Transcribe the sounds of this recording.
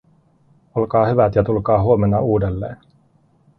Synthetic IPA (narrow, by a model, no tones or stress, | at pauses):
o̞lkɑːhyʋæt̪jɑt̪ulkɑːɦuome̞nːɑuːde̞lːe̞̰ːn